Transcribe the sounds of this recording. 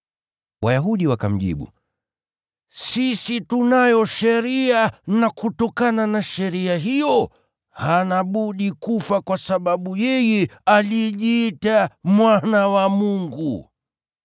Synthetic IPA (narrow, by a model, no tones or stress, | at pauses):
wajaɦuɗiwaka̰m̩ʄḭɓṵ | sisitunajɔʃɛɾianakutɔkananaʃɛɾiaɦijɔ | hanaɓuɗikufakwasaɓaɓujɛjɛaliʄiːtamwanawamuŋɡu